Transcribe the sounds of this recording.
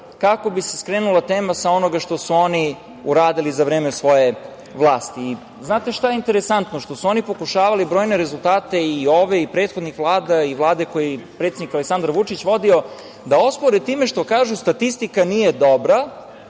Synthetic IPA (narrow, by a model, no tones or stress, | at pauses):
kako̞biseskɾeːnulˠat̪e̞ːmasao̞no̞ɡaʃt̪o̞suo̞ni | uɾaːd̪ilizaʋɾeːmesʋo̞je̞ | ʋlˠaːst̪iː | znaːt̪e̞ʃt̪ajeint̪eɾesant̪noʃt̪o̞suo̞nipo̞kuʃaːʋalibɾo̞ːjne̞ɾezulˠt̪aːt̪e̞io̞ʋe̞ipɾeːt̪xo̞d̪nixʋlˠaːd̪aiʋlˠaːd̪eko̞jipɾet̪ed̪nikaleksand̪aɾʋut͡ʂit͡ɕʋo̞d̪io̞ | d̪ao̞spoɾet̪iːmeʃt̪o̞kaːʒust̪at̪ist̪ikanije̞d̪o̞bɾa